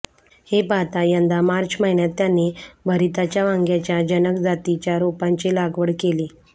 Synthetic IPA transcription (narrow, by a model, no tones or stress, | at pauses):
hepat̪ajənd̪amaɾt͡ɕməɦiɳjat̪ːjanːebʱəɾit̪at͡ɕjaʋaŋɡjat͡ɕjad͡ʑənəkd͡zat̪it͡ɕjaɾopãɲt͡ɕelaɡʋəɽkele